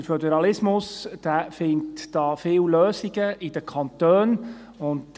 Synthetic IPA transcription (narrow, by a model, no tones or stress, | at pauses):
əɾfødɛɾɑlɪsmʊsd̥æːfɪntd̥ɑːfɪːwløːsiɡəʔidəkʰɑnt̪øːn | ʊnt